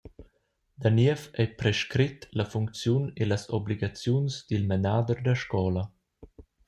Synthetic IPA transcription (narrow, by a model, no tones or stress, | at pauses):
d̪aniəfɛpɾɛʃkɾit̪lafuŋk̚t͡sjunelasɔbliɡat͡sjunsd̪ilmenaːd̪əɾd̪əʃkɔːla